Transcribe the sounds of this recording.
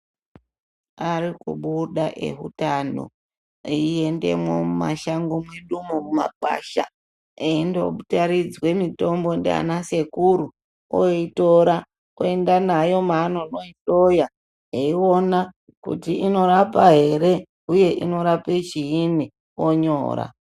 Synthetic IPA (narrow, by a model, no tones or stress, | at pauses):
aɾikṵɓuɗaʔe̞̰ɦṵtano̰ | eie̞nde̞̰mwomuma̰ʃaŋɡomwe̞ɗumomuma̰ǃa̰ʃa̰ | eindo̞̰ɓutaɾid͡zwe̞mito̞mbo̞ndea̰nase̞kuɾu | o̰ito̞ɾa | oe̞ndanajo̞manonoito̞ja | eio̞na | kṵtiino̞ɾapaɦe̞ɾe̞ | uje̞ʔino̞ɾapet͡ʃiini | oɲo̞̰ːɾa̰